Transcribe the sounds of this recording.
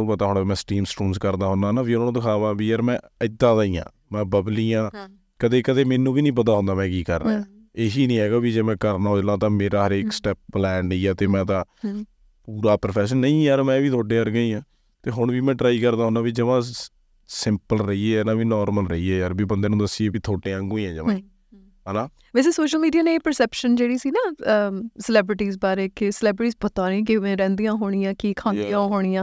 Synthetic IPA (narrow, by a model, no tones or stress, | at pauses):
pət̪aːɦʊɳːmɛ̃ːsʈiːmsʈuːnskəɾd̪aːɦʊnd̪aːnãːbiːõd̪ɪkʰaːʋãːbiːəɾmɛ̃ːəɪd̪ãːt̪əiːã̰ː | mɛ̃ːbəbliːãː | kəd̪eːkəd̪eːmeːnːũːbiːnĩːp̬ət̪̬aːɦʊ̃nd̪aːmɛ̃ːkiːkəɾːã̰ː | eːɦiːnĩːɦɛːɡaːbiːd͡ʒeːmɛ̃ːkəɾnaːʊd͡ʒlãːt̪ãːmeːɾaːɦəɾeːksʈɛːp̚plɛːɳɖiːaːt̪eːmɛ̃ːt̪ãː | puːɾaːpəɾpʰɛːs̬ənːəĩːɛəɾmɛ̃ːʋiːt̪ʰoːɖeːəɾɡəĩːãː | t̪eːɦʊɳʋiːmɛ̃ːɖɾaːiːkəɾd̪aːɦʊnãːbiːd͡ʒəʋãː | sɪmpəlɾəiːeːnãːbiːnɔːɾməlɾəiːɛːəɾbiːbənd̪eːnũːd̪əsːiːeːbit̪ʰoːʈẽːə̃ŋɡuːĩːɛ̃ːd͡ʒəʋãː | ɦɛːnãː | ʋɛːseːsoːʃəlmiːɖiaːneeːpəɾsɛːpʃənd͡ʒeːɽiːsiːnaːəsəlɛːbɾɪʈiːzbaːɾeːkɪsəlɛːbɾɪʈiːzbət̪aːɾ̃ːk̬ɪʋẽːɾɛ̃ːnd̪ijãːɦoːɽ̃ɪjãːkiːkʰãːk̪ijãːɦoːɽ̃ijãː